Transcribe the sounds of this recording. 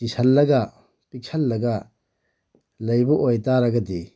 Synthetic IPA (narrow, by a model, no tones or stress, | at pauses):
tisɐlːɐɡa | pik̚sʰɐlːɐɡa | lɐjbɔʔojtaɾɐɡɐdi